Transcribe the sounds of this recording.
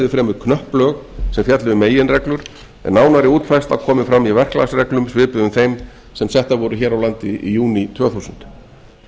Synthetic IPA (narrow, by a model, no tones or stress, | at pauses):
ðʏfɾɛːmʏðkʰnœhplœːɣsɛmfjat̪lɪðʏmeːjɪnrɛklʏɾ̥ | ɛ̰nːaːwnaɾɪuːt̪fajst̪a̰vkʰɔːmɪfɾamːivɛr̥kla̰sɾɛklʏmsvɪːpɪðʏmθejm | sɛmsjɛht̪avɔɾʏçɛːɾawlant̪ɪjuːnit̪ʰv̥œːθusʏnt̪